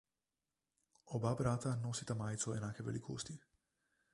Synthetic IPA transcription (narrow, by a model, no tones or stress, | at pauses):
ɔbabɾat̪anɔsit̪amaːjt̪sɔɛnaːkɛvɛ̰likʰost̪i